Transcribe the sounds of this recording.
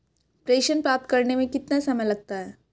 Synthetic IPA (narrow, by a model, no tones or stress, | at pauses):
pɾeːʃənpɾaːp̚t̪̚kɐɾnemẽkɪt̪nasɐməjlɐɡ̚t̪aɦɛː